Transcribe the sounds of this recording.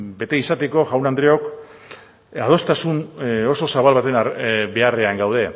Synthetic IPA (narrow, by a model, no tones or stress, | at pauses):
be̞t̪e̞isat̪e̞ko̞ʝawnand̪ɾeo̞k | að̞o̞st̪asuno̞so̞saβalβat̪e̞nabe̞areaŋɡawð̞e̞